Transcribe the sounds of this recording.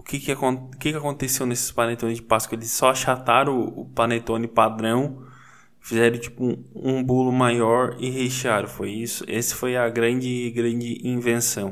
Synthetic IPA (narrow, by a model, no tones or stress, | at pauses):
ʊkɪkɪakõʊkɪkɪakõnt̪esewnesɪ̥splɐnet̪õnɪzd͡ʒɪpaskʊelɪsːɔʃat̪aɾɐ̃ʊ̰plɐnet̪õnɪpad̪ɾɐ̃w̃ | fizɛɾɐ̃t͡ʃi̥pʊ̃ũbulʊmajɔɾɪheʃiaɾʊ̃fojisʊesɪ̥fojɐɡɾɐ̃d͡ʒɪɡɾɐ̃d͡ʒɪʔĩvẽsɐ̃w̃